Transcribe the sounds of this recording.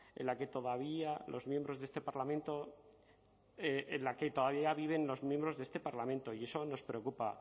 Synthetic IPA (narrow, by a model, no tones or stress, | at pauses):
ḛnlake̞t̪o̞ðaβ̞ialo̞̰zmje̞mbɾo̞zðest̪e̞paɾlamẽnt̪o̞ | eʔenlaket̪o̞ðaβiaaβiβ̞e̞nlo̞zmjembɾo̞zðest̪e̞paɾlamẽnt̪o̞ie̞so̞no̞spɾe̞okupa